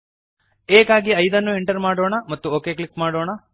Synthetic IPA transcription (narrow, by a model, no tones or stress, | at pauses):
eːkaːɡiɐjd̪ɐnːueɳʈɐɾmaːɽoːɳɐmɐt̪ːuoːke̞ːkɭikːmaːɽoːɳɐ